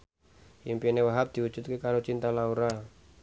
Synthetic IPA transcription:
ʔimpinewaɦap̚d̪̥iud̥d͡ʒʒ̥ut̪̚kekaɾot͡ʃint̪alauɾa

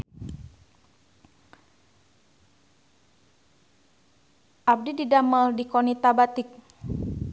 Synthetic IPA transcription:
ʔap̚dididaməldikɔnit̪abat̪ɪk̚

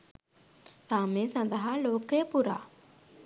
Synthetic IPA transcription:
saːmẽsɐ̃nd̪əɦaloːkːepuɾa̰

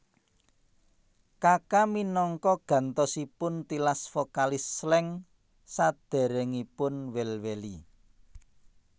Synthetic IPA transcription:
kakaminɔŋkɔɡ̥ä̤nt̪ɔsipʊnt̪ilasfokalislɛŋ | sad̪̥ɛ̤ɾɛŋipʊnwelweli

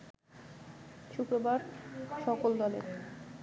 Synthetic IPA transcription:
ʃukɾobaɾʃɔkold̪ɔlḛɾ

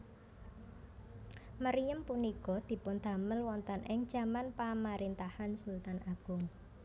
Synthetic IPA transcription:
məɾijəmpunikɔd̪̥i̤pʊnd̪̥ä̤məlwɔnt̪ənʔɪŋd̥ʒ̥ä̤manpamaɾint̪ahansult̪anʔaɡ̥ʊŋ

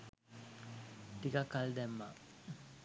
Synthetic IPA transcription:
t̪ikakːald̪ɛmːa̰

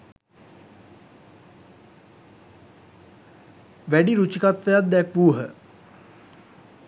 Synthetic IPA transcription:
ʋæɖiɾut͡ʃikat̪ʋejat̪̚d̪ɛkʋuːɦə̰

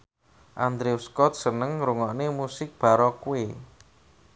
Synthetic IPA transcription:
ʔand̪ɾeuskɔt̪̚sənəŋɾuŋɔʔnemusɪk̚b̥a̤ɾɔkuwe

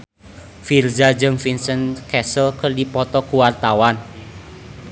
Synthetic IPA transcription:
firzad͡ʒɨŋfinsənkɛsəlkərdipɔt̪ɔkuwart̪awan

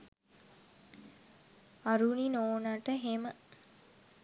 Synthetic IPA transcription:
aɾuninoːnaʈəɦemə

